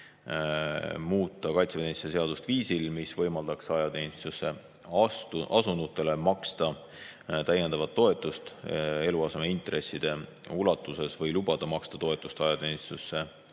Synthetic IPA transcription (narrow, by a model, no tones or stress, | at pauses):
muːt̪ːˑɑkɑjt̪seenssese̞ɑd̪̥ust̪viːsilmisvɤjmɑld̪ɑksɑjɑt̪e̞nist̪usːe̞ | ɑst̪uɑsund̪ut̪ːˑe̞le̞mɑkst̪ɑ | t̪æjend̪ɑvɑt̪ːo̞e̞t̪ːˑust̪e̞luɑse̞meint̪re̞sːid̪̥e̞ | ulɑt̪ːˑuse̞svɤjlubɑd̪̥ɑmɑkst̪ɑt̪o̞et̪ːˑust̪ɑjɑt̪e̞nist̪usːe̞